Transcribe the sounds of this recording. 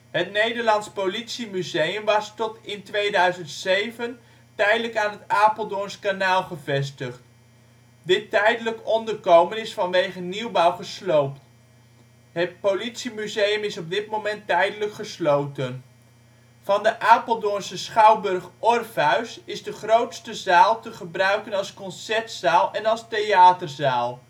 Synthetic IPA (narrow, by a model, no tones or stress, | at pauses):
ɦətnejdəɹlɑntspowlitsimyzejəmʋɑstɔtɪntʋejdœɥzəntsejvən | tɛjdələkaːnɦətaːpəlˠdɔnskanaːlˠχəvɛs̬təχt | dɪtːɛjdələkɔndəɹkowmənɪsfɑnʋejχəniwbɑwχəslowpt | ɦət̚politsimyzejəmɪsɔb̚dɪtmowmɛntɛjdələkχəslowtən | v̥ɑndəʔaːpəlˠdʊnsəsχɑwbɵrχʔɔrfɦœɥsɪzdəχrowtstəzaːlˠtəχəbrœɥkənɑlˠskɔnsɛɹtsaːlˠɛnɑlˠstejaːtərzaːlˠ